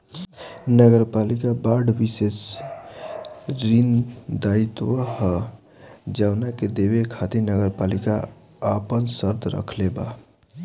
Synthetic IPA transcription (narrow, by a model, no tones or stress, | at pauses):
nəɡəɾpalikabaɖʱbises | ɾind̪ait̪wəh | d͡ʒaʊnaked̪ebekʰat̪inəɡəɾpalikaː | pənsəɾd̪ɾə̰kʰleba̰